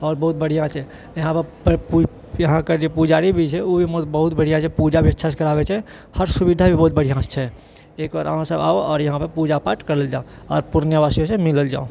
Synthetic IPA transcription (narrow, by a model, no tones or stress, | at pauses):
ɔːɾbəɦʊt̪̚bəɽ̤ijãt͡ʃʰɛ | jɐɦãpəɾpp | jɐɦãked͡ʒopud͡ʒaːɾibʱit͡ʃʰɛobʱimot̪bəɦʊt̪bəɽ̤ijãt͡ʃʰɛpud͡ʒabʱiətːʃʰas̬kəɾaːbɛt͡ʃʰɛ | həɾsʊbid̪ʱabʱibəɦut̪̚bəɽ̤ijãst͡ʃʰɛ | eːkʋa̰ːɾa̰mãsəba̰oɔːɾjɐɦãpəɾpud͡ʒapaːʈkəɾəld͡ʒaːoɔ̰ːɾpuɾənjəbaːsijõsẽmɪləld͡ʒa̰ːo